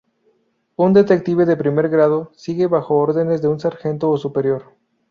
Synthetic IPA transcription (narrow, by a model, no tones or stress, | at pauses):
und̪e̞t̪e̞k̚t̪iβe̞ðe̞pɾime̞ɾɣɾað̞o̞siɣe̞βaxo̞oɾðe̞ne̞zðe̞unsaɾxe̞nt̪oːsupe̞ɾjo̞ɾ